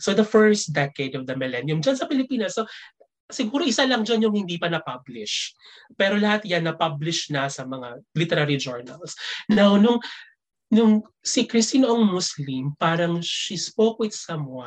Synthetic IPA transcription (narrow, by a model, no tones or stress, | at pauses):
sod̪ɐfɛɹst̪̚d̪ɛked̪ɔvd̪ɐmɛlɛnjʊmd͡ʒɐnsɐpɪlɪpiːnɐsːo | sɪɡuːɾoʔɪsalɐŋd͡ʒanjʊŋhɪnd̪iːpɐnɐpablɪʃ | pɛːɾo̞lɐhat̪janːɐpablɪʃnɐsɐmɐŋalit̪ɛɾaɾid͡ʒɔɹnɐ̰lsnawnʊŋ | nʊŋ | sikɾɪst̪iːnoʔɐŋmʊslimpaːɾɐŋʃispoːkwɪt̪sɐma